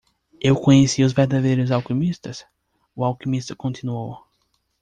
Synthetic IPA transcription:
ewkõɲesiʊzveɾd̪ad̪ejɾʊzawkimist̪ɐs | ʊawkimist̪ɐkõnt̪inuow

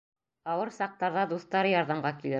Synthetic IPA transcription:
ɑwɤɾsɑq̚t̪ɑɾðɑd̪uθt̪ɑɾjɑɾðɑmɢɑkilɘ

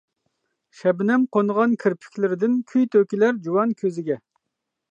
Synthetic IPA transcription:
ʃɛbɪnɛmqonʁɑnkʲʰɪɾpʰɪ̥kʲʰlɪɾɪd̪ɪnkʲʰyjt̪ʰøkʲilæɾd͡ʒuwɑnkʲʰøzɪɡʲɛ

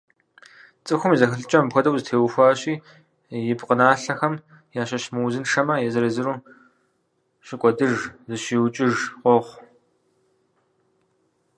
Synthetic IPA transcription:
t͡sʼɨxʷʊmizɐxɨɬɨt͡ʃʼɐmpxʷɐdɐwzɨtʰeːwxʷaːɕʼiː | jɪbqənaːɬɐxɐm | jaːɕɐɕmɨwzɨnʂɐmɐjɛzɨɾɐzɨɾuː | ɕɪkʷʼɔdɨʐzɨɕiːwt͡ʃʼɪʒqʷɔχʷ

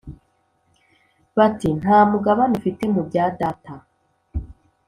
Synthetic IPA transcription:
βatin̥haːmuɡaβanufite̞mubɟaːdata

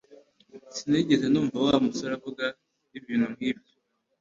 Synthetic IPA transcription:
siniɟesenuːɱvawamusoɾakoɡa | iβjiːnhumhiːbjo

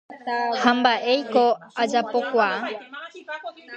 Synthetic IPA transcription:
hãmbaʔejkoad͡ʒapokʷa

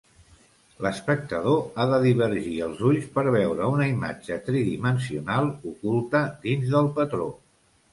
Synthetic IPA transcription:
ləspək̚t̪əðoaðəðiβ̞əɾʒiəlˠzuʎspəɾβɛwɾəunəima̰d͡ʒət̪ɾiðimənsiunalˠukulˠt̪əd̪inzðəlˠpət̪ɾo̰

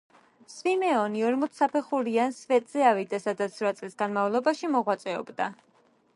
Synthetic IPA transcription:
svimɛɔniɔɾmɔt̪sʰapʰɛχuɾiansvɛt̪ʼz̥ɛavid̪asad̪at̪sʰɾat̪sʼlisɡanmavlˠɔbaʃimɔʁwat̪sʼɛɔ̰bd̪a

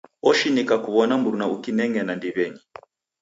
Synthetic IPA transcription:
ɔʃinikakuβɔnamuɾunaukinɛŋɡɛnandiβɛɲi

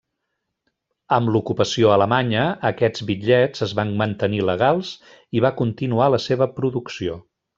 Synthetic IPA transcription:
əmlukupəsioələmaɲəːkɛd͡zβiʎɛd͡zəzβanmənt̪əniləɣalˠz | iβakunt̪inualəseβəpɾuðuksio

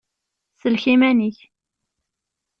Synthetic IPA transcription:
səlçimæniç

